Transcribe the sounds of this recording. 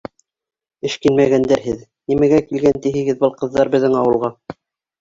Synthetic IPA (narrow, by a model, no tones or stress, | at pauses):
ɘ̆ʃkinmæɣænd̪æɾɦɘð | nimæɡækilɡænt̪iɦɘ̆ɡɘðbɤlˠqɤ̆ðːɑɾbɘ̆ðːɘŋɑwɤ̆lˠʁɑ